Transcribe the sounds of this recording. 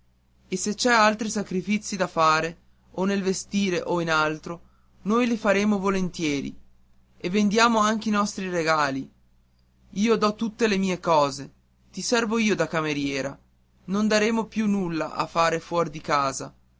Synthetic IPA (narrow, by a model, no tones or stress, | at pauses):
eset͡ʃɛalt̪ɾisakɾifit̪sːid̪afaːɾe | onelvest̪iːɾeʔoinalt̪ɾo | noːjlifaɾeːmovolent̪jɛːɾḭ | evːend̪jaːmoaŋk̟einɔst̪ɾiɾeɡaːli | iːod̪ɔt̪ːut̪ːelemiːekɔːze | t̪isɛrvoiːod̪akameɾjɛːɾa | nond̪aɾeːmopjunːulːa̰ʔa̰faːɾefwɔːɾd̪ikaːza̰